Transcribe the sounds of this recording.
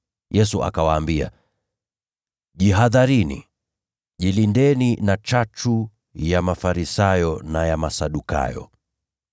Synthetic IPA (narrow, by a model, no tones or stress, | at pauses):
jʔɛsuʔa̰kawaːmbia̰ | ʄiɦaðaɾinḭ | ʄilindɛninat͡ʃat͡ʃu | jamafaɾisajɔnajamasaɗuka̰jɔ̰